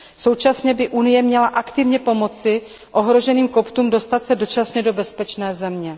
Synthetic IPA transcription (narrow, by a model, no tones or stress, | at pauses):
so̞wt͡ʃasɲɛbɪʔunɪjɛmɲɛlaʔakt̪ɪvɲɛpo̞mo̞t͡sɪ | ʔo̞ɦɾo̞ʒɛniːmko̞pt̪uːmdo̞st̪at̪sɛdo̞t͡ʃasɲɛdo̞bɛspɛt͡ʃnɛːzɛmɲɛ